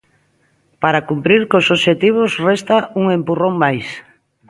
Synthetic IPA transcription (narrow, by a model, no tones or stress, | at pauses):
paɾakumpɾiɾkosoʃet̪iβ̞osrɛst̪auŋempuroŋmajs